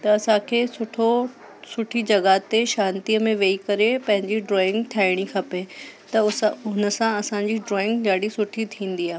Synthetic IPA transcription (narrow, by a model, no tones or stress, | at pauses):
t̪ɐːsãkʰeːsʊʈʰo | sʊʈʰid͡ʑɐɡat̪eʃãːnt̪iəmẽʋeːikɐɾepɐ̃ɦɪ̃ɲd͡ʑiɖɾɔːɪ̃ŋɡt̪ʰjaːɪɽ̃ikʰɐpet̪ɐʊnə̆sãɐsãɲd͡ʑiɖɾɔːɪ̃ŋɡd͡ʑaːɽisʊʈʰit̪ʰĩːn̆d̪iaːɦ